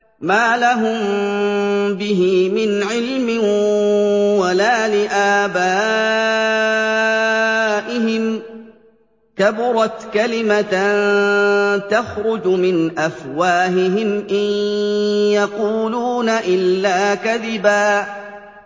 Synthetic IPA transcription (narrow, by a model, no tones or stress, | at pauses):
maːlaɦʊm | bɪɦimɪnʕɪlmɪn | walaːlɪʔaːbaː | ʔɪɦɪm | kabʊɾˤɑt̪kalɪman | t̪axɾʊd͡ʒmɪnʔafwaːɦɪɦɪmʔɪj | jɑquːluːnaʔɪlːaːkaðɪbaː